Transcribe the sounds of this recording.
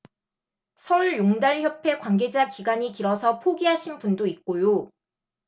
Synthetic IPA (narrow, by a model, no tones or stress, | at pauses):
sʰʌuɭjoŋdaɭçjʌpʰe̞kwanɡe̞d͡ʑakiɡaɲikiɾʌsʰʌpʰoɡiɦaɕʰinpundoik̚k͈ojo